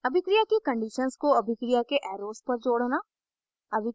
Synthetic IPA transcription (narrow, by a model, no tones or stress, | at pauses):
ɐbʱɪkɾijakekɐ̃ɳɖiːʃənskoɐbʱɪkɾijakeʔɛːɾoːspɐɾd͡ʒoːɽnaː | ɐbʱɪ